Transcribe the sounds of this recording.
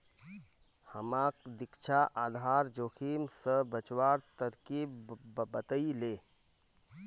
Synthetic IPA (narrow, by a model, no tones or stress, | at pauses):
həmakd̪ɪkt͡ʃʰaʔaːd̪ʱaɾd͡ʒoːkʰimsəbət͡ʃwaɾt̪əɾkibbət̪əileː